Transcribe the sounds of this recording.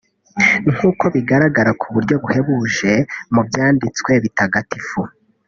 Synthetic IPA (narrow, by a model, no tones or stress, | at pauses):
ŋ̥huːko̞βiɡaɾaɡaɾakʰuβuɾɟo̞ɡuhe̞βuːʒe̞mubjaːndit͡swe̞βitaɡatifu